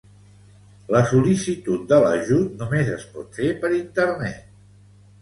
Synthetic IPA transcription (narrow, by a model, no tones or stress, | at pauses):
ləsulisit̪ut̪̚d̪ələʒut̪numezəspɔ̰t̪fepəɾint̪əɾnɛ̰t̪̚